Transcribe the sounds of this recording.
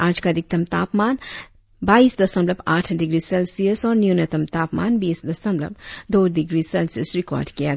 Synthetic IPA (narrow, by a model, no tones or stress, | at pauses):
aːd͡ʒkad̪ɪk̚t̪ɐmt̪aːpmaːn | baːiːsd̪ɐsəmblɐpaːʈʰɖɪɡɾiselsiəsɔːɾnjunet̪əmt̪aːpma̰ːnbiːsd̪ɐsəmlə̰b̚d̪oːɖɪɡɾisɛlsiəsɾɪkɔ̰ːɾɖkija